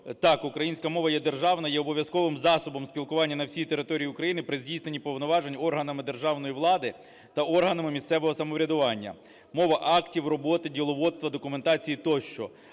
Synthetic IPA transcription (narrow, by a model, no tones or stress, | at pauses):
t̪ɑkʊkɾɐjinʲsʲkɐmɔʋɐjɛd̪erʒɑwnɐjɛɔbɔʋʲjɐskɔʋɪmzɑsɔbɔmsʲpʲilˠkʊʋɑnʲːɐnɐwsʲijt̪eɾɪt̪ɔɾʲijiʊkɾɐjinɪpɾɪzʲdʲijsnenʲipɔwnɔʋɑʒenʲɔrɦɐnɐmɪd̪erʒɑwnɔjiʋlˠɑd̪ɪ | t̪ɐɔrɦɐnɐmɪmʲist̪sɛʋɔɦɔsɐmɔʋɾʲɐd̪ʊʋɑnʲːɐ̰ | mɔʋɐʔɑktʲiwrɔbɔt̪ɪdʲilˠɔʋɔd̪st̪ʋɐd̪ɔkʊment̪ɑt͡sʲijit̪ɔʃt͡ʃɔ